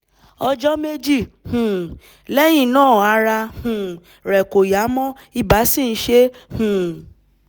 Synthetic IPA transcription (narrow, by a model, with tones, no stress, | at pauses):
ɔ˧d͡ʒɔ˦me˦d͡ʒi˦˨ | hũ˨ | lɛ˦j̃ĩ˦˨nãː˦˨a˧˦ɾa˧hũ˨ | ɾɛ˨ko˨ja˨˦mɔ̃˦ | i˦ba˨˦si˦˨n̩˦ʃe˦hũ˨